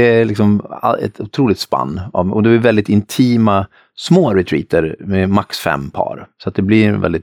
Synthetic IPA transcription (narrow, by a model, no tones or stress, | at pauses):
ɛælɪksɔmaɛ̰t̪ʰʊt̪ʰɾuːlɪkt̪spa̰nːa̰vʔɔd̪ɛblɪɾvɛlɪt̪ɪnt̪ʰiːma | smoːɾɛt̪ʰɾḭːt̪əɾmɛmaksfɛ̰mːpʰɑ̰ːɾsɔat̪̚d̪ɛblɪɾɛnvɛ̰ld̪ɪt̪